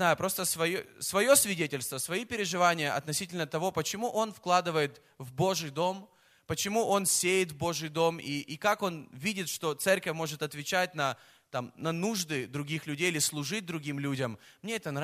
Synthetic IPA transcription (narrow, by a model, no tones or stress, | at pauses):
najʊpɾo̞st̪əsvɐjsvɐjo̞svʲɪdʲetʲɪlʲst̪vəsvɐipʲɪɾʲɪʐɨvanʲɪjəʔɐ̰t̪nɐsʲitʲɪlʲnət̪ɐvo̞pət͡ɕɪmuʔo̞nfklˠad̪ɨvəjɪt̪ | vbo̞ʐɨjd̪o̞m | pət͡ɕɪmuʔo̞nsʲejɪt̪vbo̞ʐɨjd̪o̞miʔːkako̞nvʲidʲɪt̪ʂt̪o̞t̪sɛrkəfʲmo̞ʐɨt̪ɐt̪vʲɪt͡ɕæt̚ʲnɐ | t̪amnɐnuʐd̪ɨd̪ɾʊɡʲixlʲʉdʲejɪlʲɪslˠʊʐɨt̚ʲd̪ɾʊɡʲimlʲudʲəmmːnʲeɛt̪ən